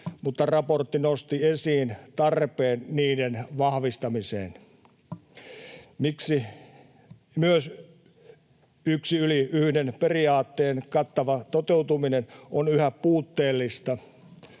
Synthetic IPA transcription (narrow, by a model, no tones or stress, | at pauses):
mut̪ːɑrɑport̪ːinost̪iesiːnt̪ɑrpeːnniːdenʋɑhʋist̪ɑmisḛːn | miksi | myøs | yksiyliyhdenperiɑːt̪ːeːnkɑt̪ːɑʋɑt̪ot̪eut̪uminenonyhæpuːt̪ːeːlːist̪ɑ